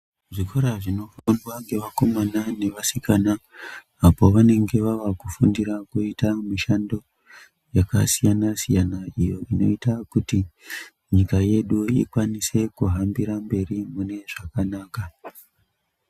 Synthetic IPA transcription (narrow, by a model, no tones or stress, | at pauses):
ʐiko̞ɾaʐino̞fondwaŋɡe̞ʋako̞manane̞ʋasikanaː | po̞ʋane̞ŋɡe̞ʋaʋakufundiɾakuitamiʃando̞ | jakasijanasijanaijo̞ʔino̞̰itakuti | ɲikaje̞ɗuikwanise̞kuɦambiɾambe̞rimune̞ʐakanaːka